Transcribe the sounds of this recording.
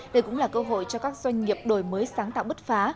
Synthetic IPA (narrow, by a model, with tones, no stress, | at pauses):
ɗə˧jkʊ̰˧˥ŋ͡mlaː˨˩kəː˧ɦo̰˧˨jt͡ɕɔ˧kaː˦˥k̚z̥wa˧jŋ̟ŋi˨˩əp̚ɗo˨˩jməː˨˦jsaː˨˦ŋt̪a̰ː˧˨wɓə˦˥t̚faː˨˦